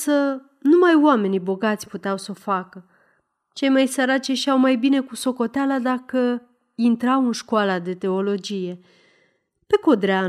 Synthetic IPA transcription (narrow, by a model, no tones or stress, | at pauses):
sə | numajoame̞nijbo̞ɡat̪sʲput̪eawso̞fakə | t͡ʃe̞jmajsəɾat͡ʃeʃawmajbine̞kuso̞ko̞t̪ealad̪akə | int̪ɾawɨnʃkualad̪e̞t̪e̞o̞lo̞d͡ʒije̞ | pe̞ko̞d̪ɾea